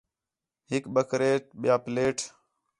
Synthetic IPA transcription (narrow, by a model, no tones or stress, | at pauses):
ɦɪkɓəkɾeːʈ̚ɓɪjaːpleːʈ